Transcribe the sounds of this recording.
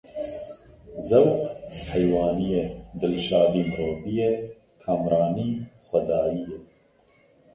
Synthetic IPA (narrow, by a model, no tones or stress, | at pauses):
zɛwt̪hɛjwɑːnijed̪ɨlʃɑːd̪iːmɨɾoːvijɛ | kʰaːmɾɑːniːxʷɛd̪ɑːijɛ